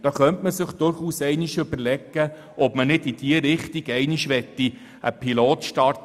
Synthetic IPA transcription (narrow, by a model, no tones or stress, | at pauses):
d̥̪ɑːχœntməsɪχd̪̥ʊɾχuːsɛɪnɪʃʏbəɾlɛɡə | ɔpmənɪdid̥iəɾɪχt̪iɡɛɪnɪʃʋɛt̪ːi | ə̰pʰiloːt̪ʃtɑrt